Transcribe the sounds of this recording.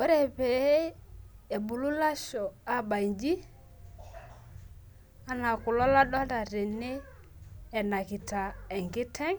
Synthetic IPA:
o˦ɾɛ˨pɛ˨˦e˨bu˨lu˦la˦ʃɔ˨a˦ba˨i˨ɲd͡ʒi˦ | a˦na˨kʊ˨lɔ˦la˦ɗɔ˦da˨ɾe˨neː˦˨ | na˨kɪ˨ta˨ɛ˨ŋɡɪ˦tʰɛ˦ŋ

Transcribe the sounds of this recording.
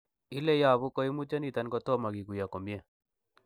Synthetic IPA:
i˦le˦ja˨βu˦kɔ˦i˦mu˦t͡ʃa˦ni˨ta˦nkɔ˦tɔ˦ma˨ki˨ku˨ja˨ko˨mje˦˨

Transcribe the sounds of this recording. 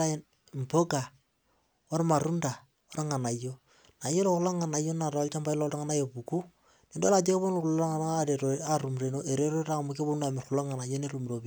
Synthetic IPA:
a˦ | m˨po˦ka˨ | o˦ɾma˨ɾu˦nda˨ | o˦ɾŋa˨na˨jo˦ | na˨˦je˦lo˦kʊ˨la˦ŋa˨na˨jo˦na˨ɾɔ˨lt͡ʃa˦mpa˦ɪ˦lɔ˦lta˦ŋa˦na˦jo˨pu˨ku˦ | ne˨ndo˦la˨d͡ʒe˦bo˦nla˦ŋaaɾe˨ɾo˨a˦ɾu˨mɾe˨no˦ʔe˨ɾe˦ɾo˦ɾa˦˨mu˦ke˦bo˦na˨mɪ˨rxʊ˨lo˦ŋa˨na˨jo˦ne˦ɾu˨mɾo˨bi˦

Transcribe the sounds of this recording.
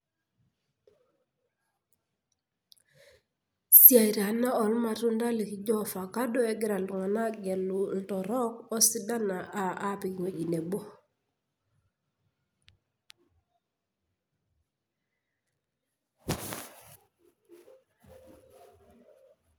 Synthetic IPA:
si˦a˨i˨ɾa˨na˦ɔ˨lma˨tu˦nda˦li˨ki˨d͡ʒɔ˦fa˨ka˦dɔ˦ɛ˨ɡi˦ɾa˨ltu˨ŋa˨na˦ɡɛ˨lltɔ˨ɾɔ˦kɔ˦si˦da˦na˨ʔa˨a˦pi˨kŋe˨ɟi˨ne˨bo˦

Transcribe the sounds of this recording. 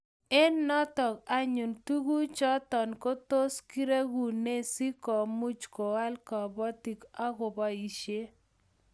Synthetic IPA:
e˦nːɔ˦t̪ɔ˨ka˦ɲu˨ntu˦ɡu˦t͡ʃɔ˦t̪ɔ˨nko˦t̪o˦ski˦ɾe˦ɡu˨ne˦si˦kɔ˨mu˦t͡ʃko˨wa˦lkɔ˨bɔ˦t̪i˨ka˦ɡʊ˨bɔ˦i˨ʃje˦

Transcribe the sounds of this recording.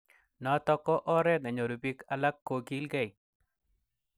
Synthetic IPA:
nɔ˨t̪ɔ˦kɔ˦ʔɔ˦ɾɛ˦na˨ɲo˨ɾu˨bi˦ka˨la˦kːo˨ki˦lɡɛ˦˨i˨

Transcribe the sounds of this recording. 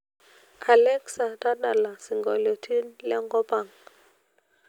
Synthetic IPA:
a˨lɛ˦ksa˨ta˦ɗa˨la˨si˨ŋɡɔ˨lɔ˨tʰi˦nlɛ̰˦ŋɡɔ˦pa˨ŋ

